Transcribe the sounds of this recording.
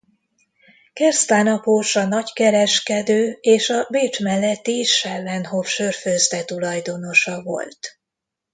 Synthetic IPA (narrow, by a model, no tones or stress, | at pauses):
kɛrst̪aːnɒpoːʃɒnɒckɛɾɛʃkɛd̪øːeːʃɒbeːt͡ʃmɛlːɛt̪ːiʃɛvɛnhofʃørføzd̪ɛt̪ulɒjd̪o̞no̞ʃɒvo̞̰lt̪